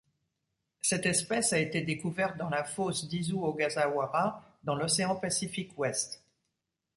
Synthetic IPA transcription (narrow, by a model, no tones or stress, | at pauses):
sɛt̪ɛspɛsaet̪ed̪ekuvɛʁt̪̚d̪ɑ̃lafosd̪izuoɡazawaʁad̪ɑ̃lɔseɑ̃pasifikwɛst̪